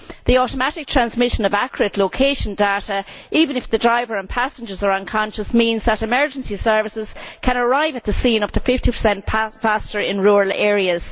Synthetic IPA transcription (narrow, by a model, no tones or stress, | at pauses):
ðiɔɾəmaɾɪk̚tʰɹ̥ãnzmɪʃə̃nəvakʰəɹətʰˡlokʰeɪʃə̃ndeɾə | iːvə̃nɪfðədɹaɪvə˞ə̃npʰasnd͡ʒə˞zə˞ʌ̃nkʰɑ̃nʃəsmĩnzðəɾɪmɜ˞d͡ʒə̃nsisɜ˞vɪsɪz̥kʰə̃nəɹaɪvət̪̚ðəsĩːnʌp̚tʰəfɪftipʰə̥˞sɛ̃ntʰfastə˞ɪ̃nɹuːɹəlɛːɹiəz̥